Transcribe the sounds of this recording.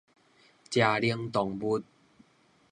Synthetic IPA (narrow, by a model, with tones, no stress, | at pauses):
t͡ɕja˨˩li˧əŋt̪ɔ˨˩ŋbu˦t̪̚